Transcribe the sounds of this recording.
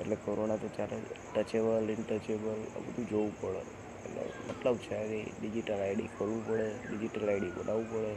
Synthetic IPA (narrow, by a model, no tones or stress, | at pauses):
eʈlekoɾonat̪ot͡ʃjaɾḛʈət͡ʃebəlɪɳʈət͡ʃebələ̰bəd̪ʱud͡ʒoupəɭḛ | ḛʈlḛmət̪ləbt͡ʃʰeəɾiɖid͡ʒiʈəlaiɽḭkʰolʋũpəɭeɖid͡ʒiʈəlaiɖibə̰naʋũpəɭe